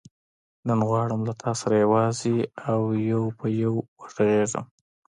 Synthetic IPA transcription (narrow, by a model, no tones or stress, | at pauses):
nənɣwɑɽəmlat̪ʰɑsaɾajawɑziawjawpʰəjawwəʂaɣeʒə̰m